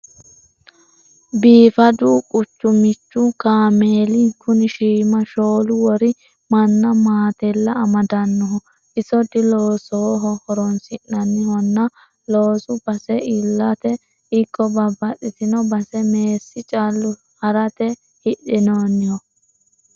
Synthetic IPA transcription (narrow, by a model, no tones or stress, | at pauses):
biːfɐd̪uːkʼʊt͡ʃːʊmɪt͡ʃːʊkaːmeːlikʰʊnɪʃiːmɐʃoːlʊwɔɾɪ | mɐnːɐmaːt̪ɛlːɐːmɐd̪ɐnːɔɦɔ | ʔɪsɔd̪ɪloːsɔwɔɦɔhɔɾɔnsɪʔːɐnːɪhɔnːɐ | loːsʊb̥ɐsɛɪlːɐt̪ɛ | ɪkʼːɔbɐbːɐɗɪt̪ɪnɔbɐsɛmeːsːɪt͡ʃʼalːʊ | hɐɾɐt̪ɛ | hɪɗɪnoːnːɪhɔ